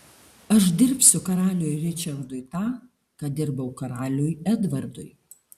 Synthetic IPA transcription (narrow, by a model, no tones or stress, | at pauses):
ɐʃd̪ʲɪɾʲpʲsʲʊkɐɾɑːlʲoːjɾʲɪt͡ʃʲɐɾd̪ʊjt̪ɑː | kɐd̪ʲɪɾbɐʊkɐɾɑːlʲojɛd̪ʋɐɾd̪ʊ̰j